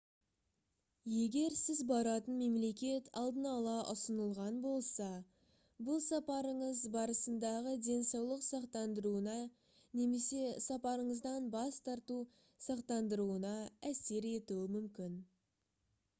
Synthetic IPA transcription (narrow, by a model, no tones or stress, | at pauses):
je̞ɡʲe̞ɾsɪzbɑɾɑt̪ənme̞mle̞kʲe̞t̪ʰɑlˠd̪ənɑlˠɑʔʊsənəlˠʁɑnbo̞lˠsɑ | bʊlˠsɑpɑɾəɴəzbɑɾəsənd̪ɑʁəd̪e̞nsɑwlˠəqsɑqt̪ɑnd̪əɾuənɑ | ne̞me̞se̞sɑpɑɾəɴəzd̪ɑnbɑst̪ʰɑɾt̪u | sɑqt̪ɑnd̪əɾuənɑæse̞ɾe̞t̪uɪmʏmkʲɪn